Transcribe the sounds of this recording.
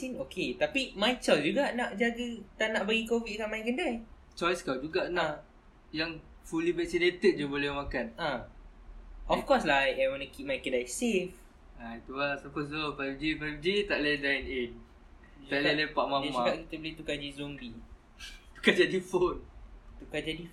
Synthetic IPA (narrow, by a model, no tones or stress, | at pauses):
sinokʰet̪apimajt͡ʃɔjsd͡ʒuɡanaʔd͡ʒaɡət̪anaʔbəɡikovit̪̚kanmajkəndaj | t͡ʃɔjskad͡ʒuɡanaʔ | jaŋ | fulibɛk̚sinet̪ət̪̚d͡ʒubolɛhmakanʔa | ʔɔfkɔslajajwɔnukip̚majkəndajsef | ajt̪uasapəs̬ofajfd͡ʒifajfd͡ʒit̪aʔladajnen | d͡ʒt̪aʔlalajpaʔmãmakaʔkit̪əbəlit̪ukad͡ʒizombi | t̪u̥kad͡ʒadifont̪ukad͡ʒadi